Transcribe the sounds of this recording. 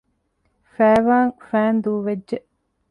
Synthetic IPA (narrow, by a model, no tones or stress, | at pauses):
fæːʋaːŋfæːnd̪uːʋedʒeʔ